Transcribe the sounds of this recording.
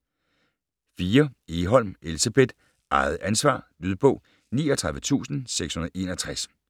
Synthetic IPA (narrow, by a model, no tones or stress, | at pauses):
fiːɐe̝ːɦɒ̽l̰me̝lisæb̥ed̥ | ʔɑ̈ɪð̞̩ˠænsʋɑ̰̈ːd̥yðˠb̥ɔ̽ʊ | nḭːɒt͡sʰʁɑ̈ðˠʋət͡sʰṵːsn̩seɡ̥shunɐð̩ˠe̝̰ːnɒt͡sʰʁas